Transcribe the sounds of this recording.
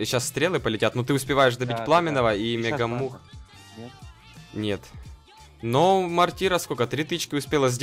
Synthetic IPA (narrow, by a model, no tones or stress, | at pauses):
ɕːasst̪ɾʲelˠɨpəlʲɪtʲat̪not̪ɨʊspʲɪvajɪʂ̬d̪ɐbʲitʲplˠamʲɪnəvəimʲɪɡɐmux | nʲet̪ | nomɐrtʲiɾəskokət̪ɾʲit̪ɨt͡ɕkʲɪʊspʲelˠəzʲdʲ